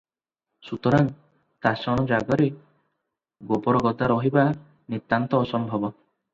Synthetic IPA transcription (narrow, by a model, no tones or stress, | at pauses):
sut̪ɔɾaŋ | t̪asɔɽ̃ɔd͡ʒaɡɔɾe | ɡopɔɾɔɡɔd̪ʱaɾɔɦiba | nit̪ːant̪ɔːsɔmbʱɔbɔ